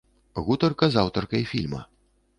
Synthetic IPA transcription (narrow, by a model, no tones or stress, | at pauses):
ɣut̪ɐrkɐzawt̪ɐrkɐjfʲilʲmɐ̰